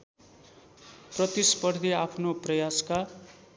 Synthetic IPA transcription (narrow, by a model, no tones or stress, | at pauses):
prʌt̪ispʌrd̪ʱiapʰnoprʌjaska